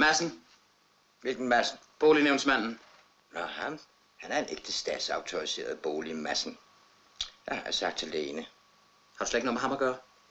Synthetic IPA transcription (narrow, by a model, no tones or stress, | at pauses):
mæsn̩ | ʋelɡ̥n̩mæsn̩ | b̥o̝ːlineʊnsmæn̰n̩ | nɑhæm | hænæɐe̝neɡ̥̚d̥əsd̥ɛ̰d̥sɑ̈ʊt͡sʰoʁise̝̰ːɐð̩ˠb̥o̝ːlimæsn̩ | jɑhɑsɑ̈ɡ̥̚d̥ʰæle̝ːnə | hɑ̈d̥usleɡ̥no̰ːmehɑmɐɡ̥ɶːɐ